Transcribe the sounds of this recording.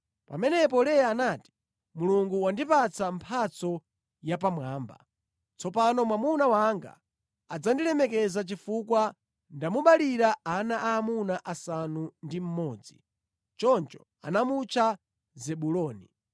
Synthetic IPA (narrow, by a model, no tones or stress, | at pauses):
pa̰mɛnɛpɔlɛjaːnati̥ | muluŋɡuwandipat͡sʰampʰat͡sɔ | japamwaːmba̰ | t͡sɔpanɔmwamunawaŋɡa̰ | ad͡zandiɾɛmɛkɛzat͡ʃifukwa | ndamuɓaliɾaanaʔaːmunaʔasanundim̩mɔːd͡zi | t͡ʃɔnt͡ʃɔ̥ | a̰namut͡ʃʰa | zɛɓulɔːni